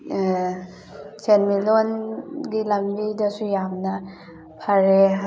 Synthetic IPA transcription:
senmilonɡilɐmbidɐsujamnɐ | pʰɐɾe

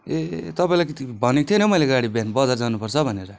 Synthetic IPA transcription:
et̪ʌpaĩlajkit̪ibʱʌnekt̪ʰjonʌmʌjleɡaɽibenbʌd͡zard͡zanupʌrt͡sʰʌbʱʌneɾʌ

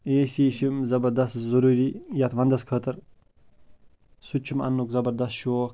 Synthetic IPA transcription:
eːsiʃimzɐbɐɾd̪ast̪zuɾuɾijat̪ʋand̪ɐskʰət̪ɨɾ | sut͡ʃʰːuma̰nːukzɐbɐɾd̪ɐst̪ʃoːk

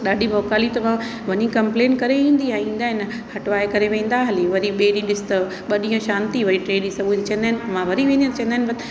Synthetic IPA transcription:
ɗaːɖʱibʱɔːkaːlit̪ɐʋã | ʋɐɲĩkɐ̃mpleːnkɐɾeʋĩːn̆d̪iaːɦĩːn̆d̪aːɦɪn | hɐʈʋaːekɐɾeʋẽːn̆d̪aːɦɐliʋɐɾiɓeːɗĩɗɪsɪ̥t̪ɐ | ɓɐɗĩːə̃ʃãːnt̪iʋɐɾiʈɾeːɗĩsɐɡuit̪ɐt͡ɕʰɐ̃nd̪aɦɪnɪmãʋɐɾiʋẽːnd̪ij̃t̪ɐt͡ɕʰɐ̃nd̪aɦɪ̃nbɐt̪

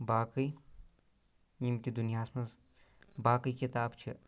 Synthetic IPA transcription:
baːkəj | nimt̪id̪unjaːsmɐz | baːkəjkit̪aːbt͡ʃʰḭ

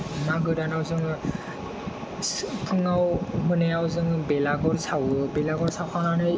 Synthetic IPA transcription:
maɡɯɾanawzɯŋ | pʰɯŋawmɯneawzɯŋbelaɡɔɾsawɯbelaɡɔɾsawkʰananɯj

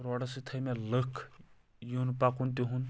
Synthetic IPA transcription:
ɾɔɽɐsit̪ʰəjmeləkʰ | junpakunt̪̬ʲiɦun

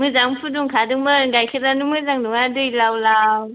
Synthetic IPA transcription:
mɯzaŋpʰuduŋkʰadɯŋmɯɡajkʰɯtanumɯzaŋnuŋadɯjlawlaw

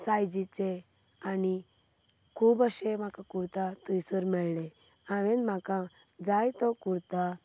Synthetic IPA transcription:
sajd͡ʑit͡se | ani | kʰuːbəɕem̤akakuɾt̪at̪əjsəɾmɛɭle | aʋẽnmaka | d͡zajt̪ɔkuɾt̪a

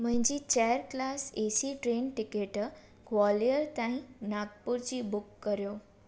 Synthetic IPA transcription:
m̤ə̃ɲd͡ʑit͡ɕajəɾklasesiʈɾenʈikeʈ | kʋɔliəɾt̪ãɦĩnaɡ̚puɾt͡ɕiːbukːəɾjo

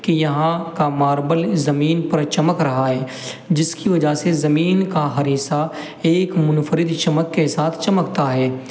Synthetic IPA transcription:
kijɐɦãkamaːɾbəlzɐmiːnpɐɾt͡ʃɐməkɾɐɦaɦɛː | d͡ʒɪskiʋɐd͡ʒasezɐmiːnkaɦɐɾiːsa | eːkmʊnfʰəɾɪd̪t͡ʃɐməkːesaːt̪ʰt͡ʃɐməkt̪aɦɛː

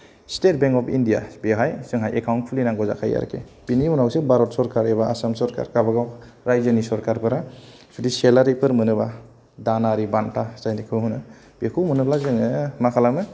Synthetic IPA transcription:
stet̚beŋkɔpʰḭndijabeɦajsɯŋɦajʔekʰawnpʰulinaŋɡɔza̰kʰa̰ja̰ɾ̰kʰḛbinihunawsebaɾɔt̚sɔɾkaɾeβaʔasamsɔɾka̰ɾkabaɡawɾajzɯnisɔɾkaɾpɯɾa | pʰidiselaɾipʰɯɾmɯnɯba | danaɾibantʰasajnikʰɯwhunɯ | b̥ekʰuwmɯnɯplazɯŋɯmakʰalamɯ

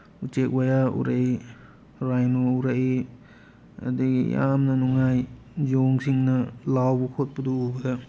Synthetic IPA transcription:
ut͡ʃek̚wajaṵɾaʔe | ɾajnouɾae | ɐ̰diɡḭja̰mnɐnuŋaj | zoŋsiŋnɐlawbukʰot̚puduubɐdɐ

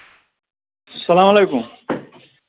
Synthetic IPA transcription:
sʌlamʌlejkum

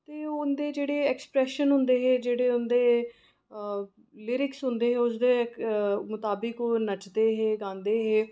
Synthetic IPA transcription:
t̪eːʊnd̪eːd͡ʒeːɽeːɛːkspɾɛːʃənɦʊ̃nd̪eːɦeːd͡ʒeːɽeːʊnd̪eː | lɪɾɪksɦʊ̃nd̪eːɦeːʊsd̪eː | mʊt̪aːbɪkoːnət͡ʃd̪eːɦeːɡãːnd̪eːɦeː

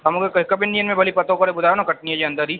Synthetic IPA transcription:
ɐmõɡekkɐbɪ̃nɖijənmẽbɐlipɐt̪õkɐɾebʊlaːʋnõkɐʈnied͡ʒeɐ̃nd̪əɾiː

